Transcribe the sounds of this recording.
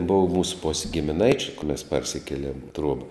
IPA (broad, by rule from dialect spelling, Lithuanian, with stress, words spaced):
ˈboːʋɐ ˈmuːs poːsʲ ɡʲɪmʲɪˈnɐɪt͡ʃʲʊ jʊk mʲɛs ˈpɐrʲsʲɪkʲeːˌlʲiɛm ɪ ˈtruɔbɐ